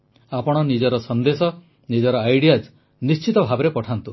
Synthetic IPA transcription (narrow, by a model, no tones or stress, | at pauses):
apɔɽ̃ɔnid͡ʒɔɾɔsɔnd̪esɔ | nid͡ʒɔɾɔajɽijad͡ʒ | nist͡ʃit̪ɔbʱabɔɾepɔʈʰant̪u